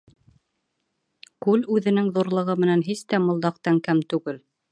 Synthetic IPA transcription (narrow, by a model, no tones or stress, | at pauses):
kʉlʉðɘ̆nɘŋðuɾlˠɤ̆ʁɤmɘ̆nænɦist̪æmŏlˠd̪ɑqt̪æŋkæmt̪ʉɡɘl